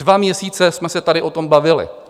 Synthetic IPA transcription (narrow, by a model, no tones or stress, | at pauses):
vamɲɛsiːt͡sɛsmɛsɛt̪aɾɪʔo̞t̪o̞mbavɪlɪ̰